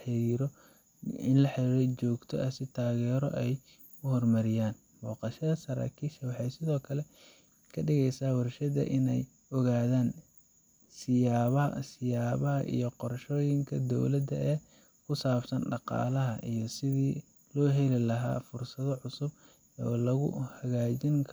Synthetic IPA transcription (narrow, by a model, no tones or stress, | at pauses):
ħɪɾiːɾɔ | ɪnlɐħɪɾiːɾɛjt͡ʃɔːɡt̪ʰɔ̰ʔɐsɪt̪ʰaːɣɛːɾɔ̰ʔɛj | ʊhɔrmɐɾɪjaːn | mɔːqɑʃɐðɐsɐɾa̰ːkʰiːʃɐwɑħɑjsɪðɔːkʰɐlɛ | kʰɐɖɪɣɛjsaːwɑrʃɐðɐ̰ʔɪnɛj | ɔɣaːðaːn | sɪjaːβɐɐ̰sɪjaːβɐɦɐ̰ʔḭjɞqɔrʃɔːjɪŋkʰɐd̪ɔ̰wlɐd̪ɐʔɛː | kʰʊsaːbsɐnɖɑqɑ̰ːlɐɦɐʔijɞsɪðiː | lɔːɦɛlɪlɐɦa̰ːfʊrsɐðɔʕʊsʊb̚ | ɔ̰ːlɐɣʊ̰hɐɣaːt͡ʃɪŋkʰ